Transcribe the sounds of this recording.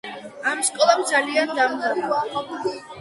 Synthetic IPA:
amskʼɔlˠamd̪zaliand̪amd̪aɾua

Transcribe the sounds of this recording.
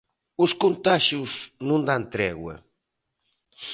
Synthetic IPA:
uskont̪aʒjuznũnd̪ant̪ɾɛɣwɐ̰

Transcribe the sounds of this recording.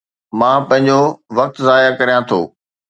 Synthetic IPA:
mãːpɐ̃ɦɪ̃ɲ̆d͡ʑoʋɐk̚t̪zaːjakɐɾijãt̪ʰo̰ː

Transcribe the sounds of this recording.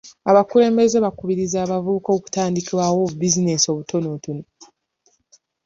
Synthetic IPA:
aβakule̞ːmbe̞zeβakuβiɾizaːβavuβuko̞ːku̥taːndikiwawoubizine̞so̞βutʰo̞notono

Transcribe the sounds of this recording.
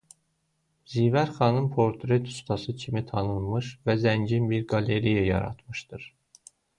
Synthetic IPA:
zivæɾχɑnɯmpʰo̞ɾt̪ʰɾet̪ʰu̥st̪ʰɑsɯcʰimit̪ʰɑnɯnˠmɯʃvæzænɟinbiɾɡɑle̞ɾijæjɑ̰ɾɑ̰t̪mɯʃd̪̥ɯɾ

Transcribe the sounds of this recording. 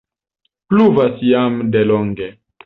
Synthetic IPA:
pluvasjamdeloŋɡe

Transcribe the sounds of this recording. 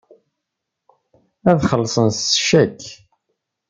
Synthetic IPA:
æðχəlːsˤənsʃækː

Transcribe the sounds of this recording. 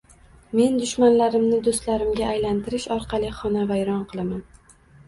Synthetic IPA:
me̞nd̪ʊʃmanlaɾɪmnɪd̪ost̪laɾɪmɡʲaːjlant̪ʰɪɾɪʃɒɾqʰɑlˠɪχɒnavajɾɒnqʰɨlˠaman

